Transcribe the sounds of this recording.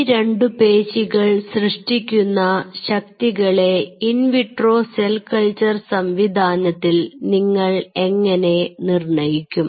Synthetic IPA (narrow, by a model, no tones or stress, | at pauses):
ɾe̞ɳɖɨpe̞ːɕiɣɐɭsrɨʂʈikʲːunːɐɕɐk̚t̪iɣɐɭe̞inʋiʈro̞ːselkɐɭt͡ɕɐrsɐmʋid̪ʱaːnɐt̪ːilniŋːɐɭe̞ŋːɐne̞nirɳɐjikʲːum